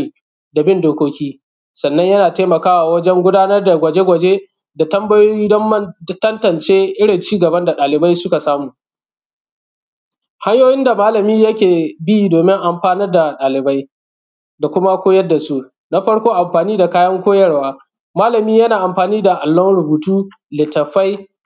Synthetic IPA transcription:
da˨bɪ˦ndoː˦kʷoː˦kʲiː˦ | sɐ˨nːɐ˦ɲjɐ˦naː˨teː˦mɐ˨kaː˦wa˨wɐ˦d͡ʒɛ˦ŋɡʷʊ˦daː˦nɐ˦rda˨ɡʷɐ˨d͡ʒe˦ɡʷɐ˨d͡ʒe˦ | da˨tɐ˦mbɐ˦jo˦i˦dɐ˦mːɐ˦tɐ˦ntɐ˨nt͡ʃeː˦ʔɪ˦ɽɪ˨nt͡ʃiː˦ɡɐ˨bɐ˦nda˨ɗaː˨lɪ˨ba˦jsʊ˦ka˨saː˦muː˨ | ha˦ɲjoː˦jɪ˦nda˨maː˦lɐ˨miː˦jɐ˦kʲeː˨bi˦doː˨mɪ˦ŋʔa˨mɸaː˦nɐ˦rda˨ɗaː˨lɪ˨ba˦j | da˨kʷʊ˦ma˦kʷoː˦jɐ˦dːa˨su˦ | na˦ɸɐ˦ɽkʷoː˦ʔa˨mɸaː˨niː˦da˨kaː˦jɐ˦ŋkʷoː˦jɐ˦ɽwaː˦ | maː˦lɐ˨miː˦jɐ˦naː˨ʔa˨mɸaː˨niː˦da˨ʔa˨lːɔ˦nɽʊ˨buː˨tuː˦ | lɪ˨tɐ˨ɸa˦j

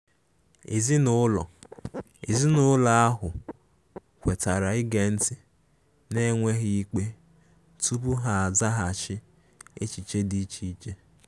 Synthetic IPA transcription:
ḛ˨zi˦nʊ˦lɔ˨ | e˨zi˦nʊ˨˦la˨a˦ɦʊ˨ | kʷe˨ta˨ɾa˨ɪ˦ɡe˨n̩˦ti˨ | ne˦ŋʷe˦ɦi˦i˦k͡pe˦ | tu˦bu˦ɦa˨a˨za˦ɦa˨t͡ʃɪ˦ | ḛ˦t͡ʃi˨t͡ʃe˦di˦t͡ʃi˦t͡ʃe˦

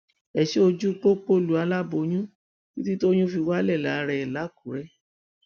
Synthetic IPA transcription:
ɛ˨ʃe˦o˧d͡ʒu˦k͡po˦k͡po˦lu˨˦a˧la˦bo˧j̃ũ˦ | ki˦ti˦to˦j̃ũ˦fi˧wa˦lɛ˦˨la˨˦˧ɾɛ˧ɛ˨la˨˦ku˨˦ɾɛ˦

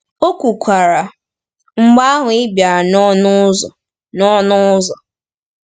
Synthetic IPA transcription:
o˦kʷu˨kʷʰa˨ɾa˨ | ŋ͡m̩˦ɡ͡ba˦a˦ɦʊ˨ɪ˦bja˨nɔ˦nʊ˦zɔ̰˨ | nɔ˦nʊ˦zɔ˨

